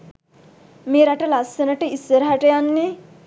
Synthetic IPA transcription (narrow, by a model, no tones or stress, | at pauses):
meːɾaʈəlasːɐnəʈəisːəɾəɦaʈəjanːe